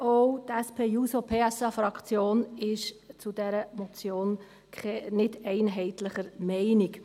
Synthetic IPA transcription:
ɔwtɛspʰeːjuːsopʰeːɛsɑfɾɑkχt͡sjoːnɪʃt͡sud̥ɛɾəmɔt͡sjoːn | kʰɛnɪdɛɪnɦɛɪt̪ləχəɾmɛɪnik

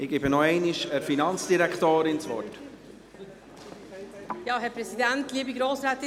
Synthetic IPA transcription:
ɪɡ̥ɛbənɔɛɪniʃəɾfinɑnt͡sd̥iɾækt̪oːɾɪnt͡svɔ̰rt | jɑːɦɛɾpɾɛsidæntliːəbiɡɾoːsɾɛːt̪ɪ

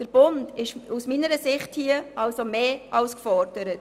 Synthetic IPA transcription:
d̥əɾb̥ʊndɪʃusminəɾəsɪχthiəʔɑlsomeːʔɑʊskfɔɾdəɾət̚

